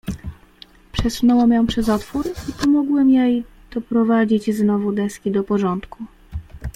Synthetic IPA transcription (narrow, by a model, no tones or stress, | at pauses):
pʂɛsunɔwɛmjɔ̃pʂɛzɔt̪fuɾipɔmɔɡwɛmjej | d̪̥ɔpɾɔvad͡ʑid͡ʑznɔvud̪ɛskʲid̪ɔpɔʐɔnt̪ku